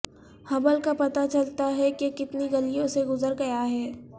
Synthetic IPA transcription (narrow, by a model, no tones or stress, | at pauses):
hɐbəlkapɐt̪at͡ʃɐlt̪aɦɛkekɪt̪niɡɐlijõseɡʊzəɾɡɐjaɦɛː